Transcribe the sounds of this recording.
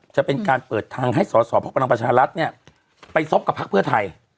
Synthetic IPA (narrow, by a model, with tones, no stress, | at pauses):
t͡ɕa˨˩pe˧nkaː˧npɤː˨˩t̪ʰːaː˧ŋɦa˥˩jsɔː˩˦sɔː˦pʰa˦˥bla˧pɾa˧t͡ɕʰaː˧ɾa˦˥t̪̚ni˥˩ɐ | pa˧jso˦˥p̚ka˨˩pʰːa˦˥k̚pʰɯ˥˩ɐt̪ʰa˧j